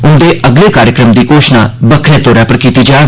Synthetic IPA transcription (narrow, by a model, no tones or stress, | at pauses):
ʊnd̪eːʔəɡleːkaːɾjəkɾəmd̪iːkoːʃna̰ːbəkʰɾẽːt̪oːɾaːpəɾkiːt̪iːd͡ʒaː